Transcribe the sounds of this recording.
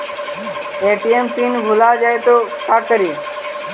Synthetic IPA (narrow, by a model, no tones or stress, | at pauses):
eːʈiːempiːnbʱʊlaːd͡ʒaːet̪oːkaːkəɾiː